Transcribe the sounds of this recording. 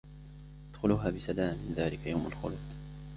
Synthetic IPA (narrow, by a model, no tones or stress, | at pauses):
ʔad̪̥xʊluːɦaːbɪsalaːmɪnðaːlɪkajawmalxʊ̰lʊt̪ˤ